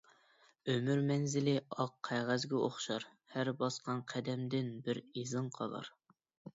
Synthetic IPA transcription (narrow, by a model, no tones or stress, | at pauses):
ømyɾmɛnzɪlɪɑqʰːæʁæzɡʲɛoχʃɑɾ | hæɾbɑsqɑnqʰæd̪ɛmd̪ɪnbɪɾizɨɴqʰɑ̰lˠɑ̰ɾ